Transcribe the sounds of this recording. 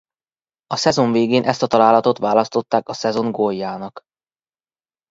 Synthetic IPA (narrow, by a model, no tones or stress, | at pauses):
ɒsɛzo̞ɱveːɡeːnʔɛst̪ɒt̪ɒlaːlɒt̪o̞t̪ʋaːlɒst̪o̞t̪ːaːkɒsɛzo̞ŋɡojːaːnɒk